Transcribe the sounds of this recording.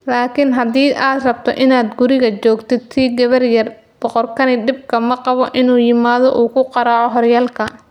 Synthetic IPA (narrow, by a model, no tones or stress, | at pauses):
laːkʰɪnɦɐd̪iːʔaːd̪rɐbt̪ʰɔ̰ʔɪnaːd̪ɡʊɾɪɣɐt͡ʃɔːɡt̪ʰɪt̪ʰiːɡɐβɐrjɐr | b̥ɔqɔrkʰɐnɪd̪ɪb̚kʰɐmɐqɑβɔʔɪnuːjɪmaːðɔʔuːkʰʊqɑɾɑːʕɔɦɔrjaːlkʰɐ